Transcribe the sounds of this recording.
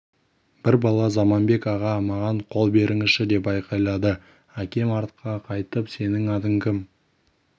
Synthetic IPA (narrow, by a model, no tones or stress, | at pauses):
b̥ɪɾbɑlˠɑzɑmɑnbe̞kɑʁɑmɑʁɑɴqʰo̞lˠbe̞ɾɪŋɪʃɪd̪e̞pbɑjqɑjlˠɑd̪ə | ækʲe̞mɑɾt̪qɑqʰɑjt̪əpse̞nɪŋɑd̪əŋkʲʰɪm